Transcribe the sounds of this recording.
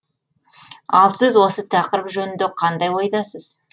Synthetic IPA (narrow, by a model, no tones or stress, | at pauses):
ɑlˠsɪzwo̞sət̪ʰɑqəɾəpʒɵnɪnd̪eqʰɑnd̪ɑjwojd̪ɑsəz̥